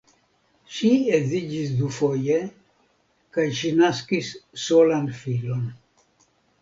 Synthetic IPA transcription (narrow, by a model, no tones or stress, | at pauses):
ʃiezid͡ʒisd̪ufoje | kajʃinaskisːolanfilon